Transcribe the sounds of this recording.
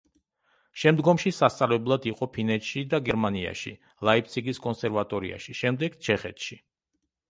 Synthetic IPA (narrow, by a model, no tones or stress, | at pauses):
ʃɛmd̪ɡɔmʃisast̪sʼavlɛblˠad̪iqʼɔpʰinɛt̪ʃid̪aɡɛɾmania̰ʃḭ | lˠaip̚ʰt̪sʰiɡiskʼɔnsɛɾvat̪ʼɔɾḭa̰ʃiʃɛmd̪ɛɡ̥t͡ʃʰɛχɛt̪ʰʃi